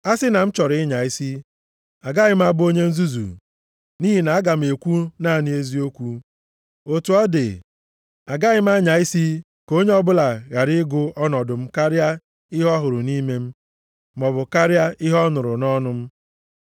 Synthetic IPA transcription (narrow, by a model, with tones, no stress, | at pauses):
a˦sɪ˦na˨m̩˦t͡ʃɔ˨ɾɪ˦ɲa˨i˦si˦ | a˨ɡa˦ɣɪ˦m̩˦a˦bʊ˦o˦ɲe˦n̩˦zu˦zṵ˨ | ni˦ɦi˨na˨a˦ɡa˨m̩˨e˨kʷu˦na˦˨ni˨˦e˦zi˦o˦kʷu˦ | o˦tu˨ɔ˦dɪ̰˨ | a˨ɡa˦ɣɪ˦m˦a˦ɲa˨i˦si˦ | ko˦ɲe˦ɔ˦bʊ˦la˨ɣa˨ɾɪ˦ɡʊ˦ɔ˦nɔ˨dʊ˨m̩˦ka˦ɾja˦ | ɪ˦ɦɔ˦ɦʊ˨ɾʊ˨ni˦me˦m̩˦ | m˨ɔ˨bʊ˨ka˦ɾja˦ɪ˦ɦɔ˦nʊ˨ɾʊ˨nɔ˦nʊ˦m̩˦